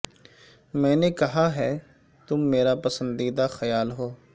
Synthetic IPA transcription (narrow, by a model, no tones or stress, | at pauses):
mɛ̃ːnekɐɦaɦɛː | t̪ʊmːeːɾapɐsə̃nd̪id̪axɐjaːlɦoː